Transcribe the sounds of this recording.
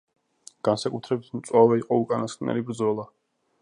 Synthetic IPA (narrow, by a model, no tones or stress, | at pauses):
ɡ̥ansakʼut̪ʰɾɛbit̪ʰmt̪sʼwavɛiqʼɔukʼanaskʼnɛ̰libɾd̪zɔlˠa